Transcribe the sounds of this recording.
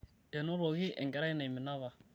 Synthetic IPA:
ɛ˨no˦ɾo˨ɣi˦ʔɛ̰˨ŋɡɛ˦ɾa˦i˦na˨i˨mɪ˨na˦βa˨

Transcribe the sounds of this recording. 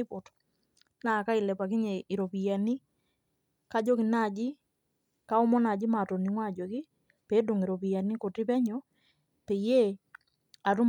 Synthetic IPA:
ɪ˦po˨to̥˨ | na˨ka˦i˨lɛ˨pa˨kɪ˦ɲe˨i˨ɾo˨pi˨ja˨ni˦ | ka˦d͡ʒo˦kɪ˨na˦˨d͡ʒi˦ | ka˦o˦mɔ˦na˨d͡ʒi˦ma˨to˨ni˨ŋwa˦˨d͡ʒo˨ki˦ | pe˨˦do˨ŋi˨ɾo˨pi˨ja˨ni˦ko˨tɪ˦pɛ˦ɲɔ˦ | pe˨je˦ | a˨tu˦m

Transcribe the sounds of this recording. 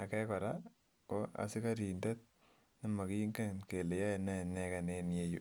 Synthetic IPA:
a̰˨kɛ˦kɔ˨ɾa˦ | ko˦a̰˨˦si˦ka˦ɾi˨nde˦t̚ | ni˦ma˨ki˦ŋɡe˦nke˨le˨ja˦˨nɛ˦˨nɛ˦ka˨ne˦nje˦ju˨

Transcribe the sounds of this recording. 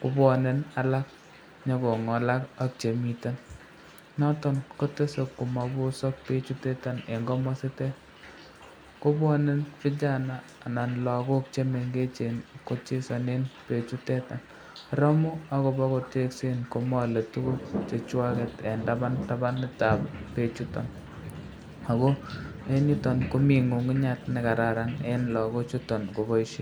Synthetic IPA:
ku˦bɔ˨ne˦na˦la˦k̚ | ɲɔ˦kɔ˨ŋɔ˨la˦ka˦k̚t͡ʃe˨mi˨ta˦n | nɔ˦tɔ˦nko˦te˦so˨kːu˨ma˨bu˦sɔ˦k̚pe˦t͡ʃu˦tɛ˦ta˨ne˨ŋɡɔ˦mɔ˦se˦tɛ˦ | ko˦bɔ˦ne˦nfɪ˦t͡ʃa˦naː˦˨na˨nlɔ˨ko˦k̚t͡ʃe˦me˨ŋɡe˦t͡ʃe˨nko˦t͡ʃe˦sɔ˨ne˦npe˨t͡ʃu˦tɛ˦ta˨n | ɾɔ˦mu˦a˦ko˨bɔ˦ko˨te˦kse˦nko˦mɔ˦le˨tu˦ku˦k̚t͡ʃe˨t͡ʃwa˦ke˨te˨nda˦ba˦nta˦ba˦nːɪ˦ta˨bpe˨t͡ʃu˦tɔ̰˨n | a˨kɔ˦ | e˦ni˦tɔ˨nko˦mi˨ŋu˨ŋɡɪ˦ɲa˦tnɛ˨ka˨ɾa˨ɾa˨ŋe˦nlɔ˨ko˦t͡ʃu˦tɔ˨nko˨bɔ˦i˦ʃe˦

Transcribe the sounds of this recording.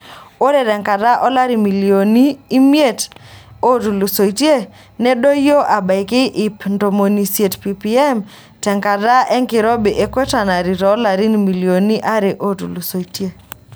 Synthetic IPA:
o˦ɾe˨ɾɛ˨ŋka˨da˦ʔɔ˦la˦ɾi˨mi˨lijo˨niː˦mje˦˨to˦tu˨lu˨so˨i˨tje˦ | nɛ˦do˦jo˦ʔa˨ba˨jke˦ʔi˨pndo˨mo˨ni˨se˨tpi˨pi˨ɛ˦m | tɛ˨ŋka˨da˦ʔɛ˦ŋkɪ˨ɾɔ˦be˨ʔe˦kwe˦ta˨na˨ɾi˨ɾɔ˨˦la˨ɾi˦ni˨mi˨li˨o˨ni˦ʔa˦ɾe˨ʔo˦tu˨lu˨so˨i˨te˦

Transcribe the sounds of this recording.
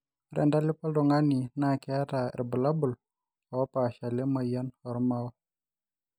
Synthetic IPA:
ɾɛ̰˨nda˦li˦pa˦ldɔ˨ŋa˦ni˨na˦˨kɛ˦a˦ta˨ɛ̰˨ɾbu˨la˦bu˨l | ɔ˨˦pa˨ʃa˨le˦ma˨jə˦nɔ˨ɾma˦w

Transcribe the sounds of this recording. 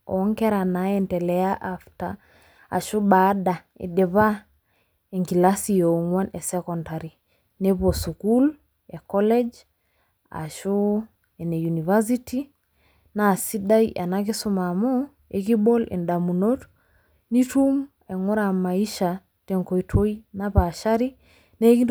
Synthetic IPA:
ɔ̰˨˦ŋkɛ˦ɾa˨na˨˦ɛ˨ntɛ˨lɛ˦ja˦ʔafta˨ | a̰˨ʃu˦ba˦da˨ | ḛ˨de˨βa˦ | e˨ŋki˨la˦si˨jo˨ŋwa˦ne˨sɛ˦kɔ˨nta˨ɾi˨ | ne˦po˨su˨ku˦l | e˨kɔ˦lɛ˦d͡ʒ | a̰˨ʃu˦ | e˨ne˨ju˨ni˨va˦s̬i˦ti˦ | naː˨si˦da˦i˦ʔa˨na˦k̬ɪ˦su˦ma˨mɔ˦ | ḛ˨ki˦ɓo˦lʔḛ˨nda˨mu˨no˦t | ni˦tu˦m | e˨ŋo˦ɾa˨ma˨i˦ʃa˨ | te˨ŋko˨i˨tʰwo˦i˦na˦pa˨ʃa˦ɾi˦ | ne˦ki˦

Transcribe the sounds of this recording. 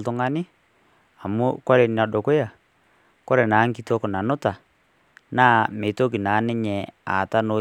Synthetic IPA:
ltʊ˦ŋa˦nɪ˦ | a˨mʊ˦kɔ˦ɾe˨n˨a˨ɗo˨ko˦ja˨ | ko˦ɾɛ˨naː˨˦ŋki˨to˦kʊ˨na˨nʊ˦ta˨ | naː˦˨me˨to˦k̬i˨na˨˦nɪ˦ɲɛ˨a̰˨ta˦no˨˦

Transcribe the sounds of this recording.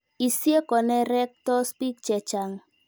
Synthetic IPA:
i˨si˦e˦kɔ˨nɛ˦ɾɛ˦k̚tɔ˦spi˦k̚t͡ʃɛ˨t͡ʃa˨ŋ

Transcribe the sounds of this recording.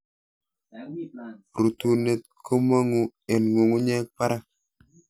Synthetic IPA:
ɾu˨tu˨ne˨t̚kʰo˦ma˦ŋu˦e˨nŋu˨ŋu˦ɲɛ˦k̚pa˦ɾa˦

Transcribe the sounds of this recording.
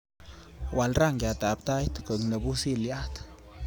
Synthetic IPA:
wa˨lɾa˦˨ŋɡja˨t̪a˨p̚t̪a˦jt̪kə˨knə˨bu˦si˦lja˦t̪

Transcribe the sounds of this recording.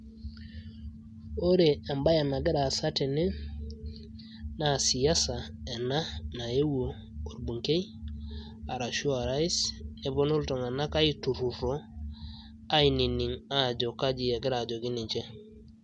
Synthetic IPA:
o˦ɾe˨a˨mba˦ja˨na˨ɡɪ˦ɾa˨sa˦te˨ne˦ | na˨si˨ja˦sa˨e˨na˦na˨je˦wo˨ | o˨ɾbu˨ŋke˦j | a˨ɾa˨ʃu˦a˨ɾa˦i˦se˨bo˦no˦lto˨ŋa˨na˦ka˦i˦tu˨ɾu˨ɾo˦ | a˦ini˨ni˨ŋa˦˨d͡ʒo˨ka˦d͡ʒi˨e˨ɡɪ˦ɾa˨d͡ʒo˨ɡi˦ni˨ɲt͡ʃe˦

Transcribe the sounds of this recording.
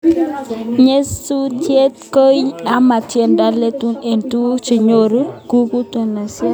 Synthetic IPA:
ɲe˦su˦tje˦t̚ko˦ja˦ma˨tje˦nda˦le˦tu˦ne˨ntu˦t͡ʃi˨ɲo˦ɾu˦ku˦ku˦to˨na˨sa˦

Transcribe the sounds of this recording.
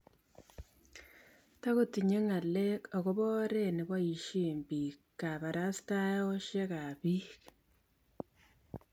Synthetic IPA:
ta˦ɣu˦ti˨ɲe˦ŋa˨le˦o˨ɣo˦βo˦ɾe˦ni˨βwa˦i˨ʃi˦˨mbi˨ka˨βa˨ɾa˦si̥ta˦jo˦ʃe˦ka˨βi˦k

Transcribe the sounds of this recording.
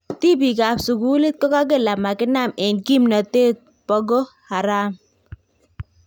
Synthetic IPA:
t̪i˦bi˨ka˨psu˨ɡu˦lɪ˦t̪̚kɔ˦ka˦ɡ̬ɪ˦˨la˨ma˨kɪ˦na˦˨me˨nki˦mnɔ˨t̪e˦t̪̚ | pɔ˦ɡo˦ | ha˨ɾaː˦m

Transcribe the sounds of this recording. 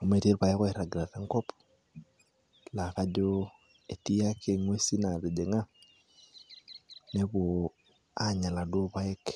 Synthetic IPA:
o˨me˨te˦ɾpa˨e˦kɔ˦e˨ɾa˨ɡɾa˨ɾe˦ŋkɔ˦p | la˨ka˦d͡ʒo˦ | e˨ti˦a˦kʰe˨ŋwe˦si˦na˨ɾe˨d͡ʒe˨ŋa˦ | ne˦βo˨ | a˦ɲa˨la˨do˦pa˦e˦k

